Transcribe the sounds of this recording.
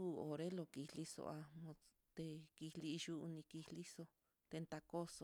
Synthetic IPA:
u˦˧˨o˨ɾe˦lo˧ki˧li˧so̰˧ʔa˧mõ˧ | t̪e˧ki˧li˧ʒu˦ʔu˧nĩ˧ki˧hli˦so˧ | t̪e˧nt̪a˧ko˦so˧

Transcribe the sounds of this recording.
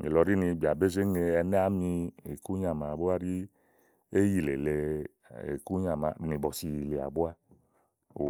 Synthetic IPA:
ŋḛ˨lɔ˧ɾi˦ni˧˨bi˨a˨be˦ze˦ŋe˧ɛ˧nɛ˦a˦mi˧e˨ku˦ɲa˨ma˨bu˦a˦ɾi˦ | e˦ji˧˨le˨le˨˧ | ḛ˨ku˦ɲa˨ma̰˨ni˨bɔ˨si˨˧ji˨le˨a̰˨bu˦a˧ | o˨

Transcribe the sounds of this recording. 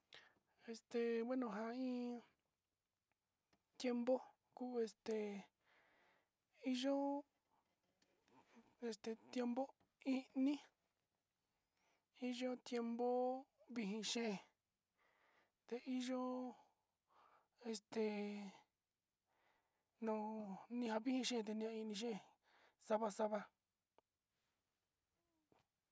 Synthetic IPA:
e˧st̪e˨we˦nõ˨ɦã˧ĩ˦ | t̪je˦mbo˦ | ku˦˧e˧st̪e˨ | i˦ʒo˦ | e˧st̪e˨t̪je˦mbo˦ | ĩ˦ʔnĩ˦ | i˦ʒo˦t̪je˧mbo˦βi˧ɦĩ˧ʃe˦˨ | t̪e˧ʔi˦ʒo˦ | e˧st̪e˨ | nõ˨nĩ˧ha˧βi˦hĩ˧ʃe˦˨t̪̬e˧nĩ˧ã˧ĩ˧nĩ˧ʃ̬e˦˨ | sa˦βa˧sa˦βa˧

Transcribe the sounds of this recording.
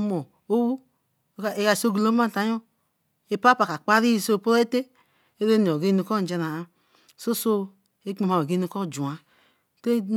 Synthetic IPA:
mo˨ | o˦wu˦˨ | e˦ka˨so˦ɡi˨lo˦ma˦˨ta˨jo˦ | e˦pa˦pa˨ka˨k͡pa˦ɾi˦˨so˦˨po˦ɾe˦e˦te˦ | e˦ɾe˦ni˨o˨ɡe˦u˨kɔ˦n˨d͡ʒe˧na˨˦ | so˦so˦ | e˦k͡pe˨ma˨we˨ɡe˦nu˦kɔ˦˨d͡ʒu˨a˨ | te˦

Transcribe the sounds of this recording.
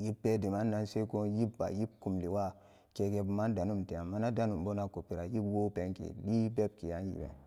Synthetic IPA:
ji˦pːe˦di˨ma˦nː˦a˦nse˦ko˦ji˦bːa̰˨ji˦b̚ku˨mli˨wa˦ | ke˨ke˨bma˦n˦da˨nu˦mte˨a˨mːa˦na˦da˦nu˨mbo˦na˨ko˨pi˨ɾa˨ji˦bwo˦pe˦ŋkḭ˨ɗi˦be˦b̚ki˨ja˦njḭ˨bḛ˨

